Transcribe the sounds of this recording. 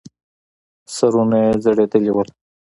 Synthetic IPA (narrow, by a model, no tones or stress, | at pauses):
səɾumezəɽed̪əliwəl